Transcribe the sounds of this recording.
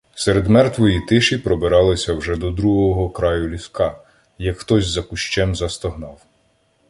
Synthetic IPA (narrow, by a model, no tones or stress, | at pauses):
sɛɾed̪mɛrt̪ʋɔjit̪ɪʃipɾɔbeɾɑlˠɪsʲɐwʒɛd̪ɔd̪ɾuɦɔɦɔkɾɑjʊlʲiskɑ | jɐkxt̪ɔzʲzɐkʊʃt͡ʃɛmzɐst̪ɔɦnɑw